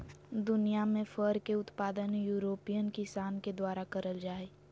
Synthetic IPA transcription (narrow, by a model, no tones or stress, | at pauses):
d̪ʊnijamẽfəɾkeʊt̪paːd̪ənjuːɾoːpijənkɪsaːnked̪waːɾakɐɾəld͡ʒaːe